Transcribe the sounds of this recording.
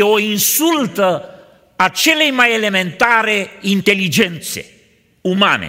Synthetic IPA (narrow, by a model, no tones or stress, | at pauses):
oinsult̪ə | at͡ʃelːejmajelement̪aːɾeint̪elːid͡ʒɛnt̪sḛ | uma̰ːnḛ